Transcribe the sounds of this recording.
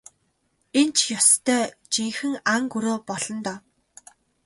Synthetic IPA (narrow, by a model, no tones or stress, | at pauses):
ent͡ɕʰjɔst̪ʰœːt͡ɕiŋxɘ̆ŋaŋɡuɾoːpɔɮɞ̆nt̪ɔː